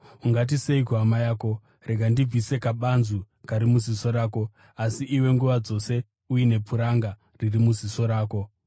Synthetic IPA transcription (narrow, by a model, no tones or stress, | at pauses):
uŋɡat̬ise̞ikuɦamajaːko̞ | re̞ɡʱandib͡vise̞kaɓanzu | kaɾimuziso̞ɾaːko̞ | asiʔiwe̞ŋɡuʋad͡zo̞se̞ | ujine̞puɾaŋɡa | ririmuziso̞ɾaːko̞